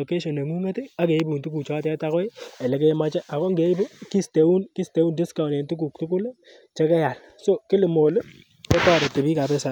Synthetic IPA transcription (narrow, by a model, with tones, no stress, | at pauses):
o˨ke˦ʃɔ˨ne˨ŋu˦ŋe˦tɪ˦a˦ke˨˦bu˨ntu˦ku˨t͡ʃɔ˦tɛ˦ta˦kɔ˦ɪ˦ɛ˨le˨ke˦je˦ma˦t͡ʃɛ˦ʔa˨kɔ˦ŋɡe˨˦bu˦ki˦ste˨u˦nki˦ste˨˦u˦ndi˦ska˨ʊ˨ne˨ntu˦k̬u˨k̚tu˦k̬ʊ˦l | t͡ʃe˦kɛ˦ja˨l | so˦kɪ˦lɪ˨mo˨l | kɛ˦tɔ˦˨ɾe˨tɪ˨bi˦ka˨pɛ˦sa˨